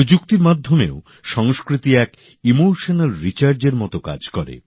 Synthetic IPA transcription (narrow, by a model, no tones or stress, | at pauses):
d͡ʑuk̚t̪iɾmad̪ʱːomeo | ʃɔŋskɾit̪iɛk | imoʃonelɾit͡ɕaɾd͡ʑeɾmɔt̪oka̰d͡ʑkɔɾḛ